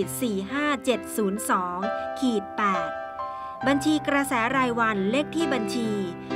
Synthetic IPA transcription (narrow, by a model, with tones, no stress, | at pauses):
siː˨˩ɦaː˥˩t͡ɕe˨˩t̪̚suː˩˦nsɔː˩˦ŋkʰiː˨˩t̪̚pɛː˨˩t̪̚ | ba˧nt͡ɕʰiː˧kɾa˧sɛː˩˦ɾaː˧jwa˧nle˦˥˩k̚t̪ʰiː˥˩ba˧nt͡ɕʰiː˧